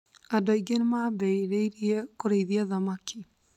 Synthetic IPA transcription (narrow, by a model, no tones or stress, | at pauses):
adaiɡenemabɛiɾeiɾiekoɾeiðiaðamaki